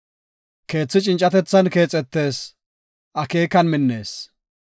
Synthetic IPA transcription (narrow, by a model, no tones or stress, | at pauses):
ke̞ːt͡sːɪt͡ʃʼɪnt͡ʃʼːɐt̪ɛt͡sːɐnke̞ːt͡sʼːɛt̪ːe̞ːs | ʔɐke̞ːkɐnmɪnːe̞ːs